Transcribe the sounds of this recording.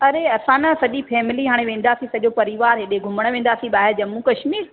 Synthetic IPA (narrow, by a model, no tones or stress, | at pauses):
ɐɾeɐsãnɐsɐʄifʰɛːmɪliɦaːɽ̃ẽʋẽːn̆d̪aːsĩsɐʄopɐɾiʋaːɾɦɪɗeɡʱʊməɽ̃ʋẽːn̆d̪aːsĩɓaːɦed͡ʑɐmũkɐʃmiːɾ